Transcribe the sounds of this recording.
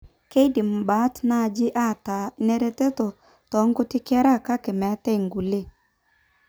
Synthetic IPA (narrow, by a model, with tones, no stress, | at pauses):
ke˦i˦dɪ˨m̩˨ba˨˦tna˦˨d͡ʒɪ˦ʔa˦˨ta˨˦nɛ˦ɾe˦te˦tɔ˨ | tɔ˨˦ŋɡʊ˦tɪ˦kɛ˦ɾa˦˨ka˦kɪ˨mɛ˨˦tɛ˦i˨ŋɡu˨le˦˨